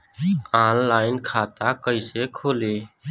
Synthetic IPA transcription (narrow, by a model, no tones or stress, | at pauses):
ãːnlaːɪnkʰaːt̪akəɪsekʰoːle